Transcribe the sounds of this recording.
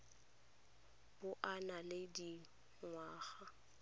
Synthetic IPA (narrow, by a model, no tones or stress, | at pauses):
b̥ʊʔanalɪdi | ŋwaːɣa